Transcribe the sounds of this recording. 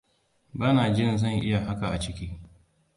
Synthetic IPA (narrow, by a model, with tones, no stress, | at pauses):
baː˦naː˨d͡ʒɪ˦nzɐ˦˨ŋʔɪ˦ja˨ɦa˦ka˨ʔa̰˨t͡ʃɪ˦kʲiː˦